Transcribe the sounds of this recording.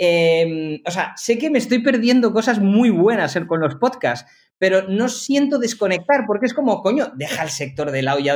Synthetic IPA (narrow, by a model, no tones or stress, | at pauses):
emosease̞kemest̪o̞jp̬e̞ɾðje̞nd̪o̞ko̞sazmujβwe̞naseɾko̞nlo̞spotkas | pe̞ɾo̞no̞sje̞nt̪oðe̞sko̞ne̞k̚t̪aɾpo̞ɾkeesko̞mo̞ko̞ɲo̞d̪e̞xaelse̞k̚t̪o̞ɾðelawʝa